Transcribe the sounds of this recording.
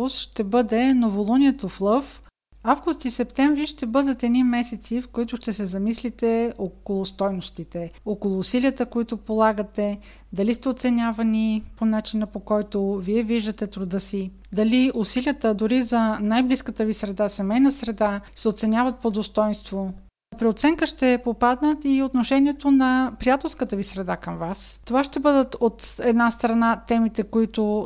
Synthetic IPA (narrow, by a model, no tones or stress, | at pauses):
ʊsʃt̪ɛbɤd̪ɛnovolˠuniɛt̪oflˠɤf | avɡʊst̪isɛpt̪ɛɱvɾiʃt̪ɛbɤd̪ət̪ɛd̪nimɛsɛt̪sifkoit̪ʊʃt̪ɛsɛzɐmislit̪ɛokolˠʊst̪ɔjnost̪it̪ɛokolˠʊːsiliət̪əkoit̪ʊpolˠaɡət̪ɛ | d̪ɐlist̪ɛot̪sɛnʲavɐniponat͡ʃinəpokɔjt̪oviɛviʒd̪ət̪ɛt̪ɾʊd̪əsi | d̪ɐliʊsilʲiət̪əd̪ʊɾizɐnajbliskət̪əvisɾɛd̪asɛmɛjnəsɾɛd̪asɛot̪sɛnʲjavɐt̪̚pod̪ost̪ɔjnst̪vo | pɾiot̪sɛŋkəʃt̪ɛpopad̪nət̪iot̪noʃɛniɛt̪onɐpɾijat̪ɛlˠskət̪əvisɾɛd̪akəmvast̪ovaʃt̪ɛbɤd̪ət̪ot̪ɛd̪nast̪ɾɐnat̪ɛmit̪ɛkoit̪ʊ